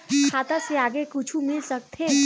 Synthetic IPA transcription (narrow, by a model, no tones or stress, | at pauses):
kʰaːt̪aseaːɡekʊt͡ʃʰumɪlsək̚t̪ʰe